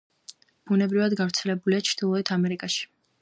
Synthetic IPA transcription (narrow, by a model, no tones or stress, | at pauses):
b̥unɛbɾivad̪ɡavɾt̪sʰɛlɛbuliat͡ʃʰɾd̪̥ilˠɔɛt̪ʰamɛɾikʼaʃi̥